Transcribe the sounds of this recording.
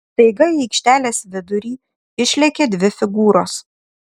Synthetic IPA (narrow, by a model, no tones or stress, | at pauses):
st̪ɐɪɡɐɛɪkʃʲt̪ʲæːlʲeːsʋʲɪd̪ʊɾʲiː | ɪʃʲlʲɛkʲed̪ʲʋʲɪfʲɪɡuːɾoːs